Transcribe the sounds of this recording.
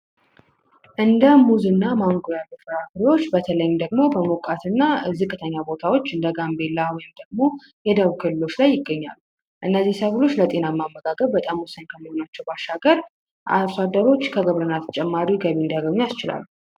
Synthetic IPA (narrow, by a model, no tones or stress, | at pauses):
ʔɨnd̪əmuzɨnːamaŋɡojalɨfɨɾafɾiwo̞t͡ʃːbət̪ʰələjɪmd̪əɡmo̞bəmokʼat̪ʰɨnːazɨkʼɨt̪ʰəɲːabo̞t̪ʰawo̞t͡ʃːɨnd̪əɡambe̞lːawɔjɪmd̪əɡ̚mo̞ | jɛd̪əβkʰɨlɨlo̞t͡ʃːlajːɪɡːəɲːa̰lːu | ʔɨnːəzːihsəɡlo̞t͡ʃːlət̪ʼe̞namːamːəɡaɡəβbət̪ʼamwɔsənkʰəmːəho̞nat͡ʃːɛwbaʃːaɡəɾ | ʔa̰fad̪əɾo̞t͡ʃːkʰəɡəβɾənːat̪ʰə̥t͡ʃʼɛmːaɾiɡəβiɨnd̪jaɡəɲːjast͡ʃɪla̰lːu